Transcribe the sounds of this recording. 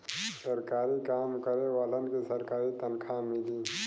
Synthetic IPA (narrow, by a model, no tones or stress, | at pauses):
səɾkaːɾikaːmkəɾewaːlənkisəɾkaːɾit̪ənkʰamɪli